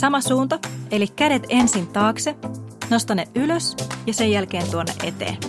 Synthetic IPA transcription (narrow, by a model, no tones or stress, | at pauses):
sɑmɑsuːnt̪ɑe̞likkːædet̪e̞nsint̪ɑːkseno̞st̪ɑnːeʔyløsjɑsejælk̟e̞ːnt̪uonːḛʔe̞t̪ḛːn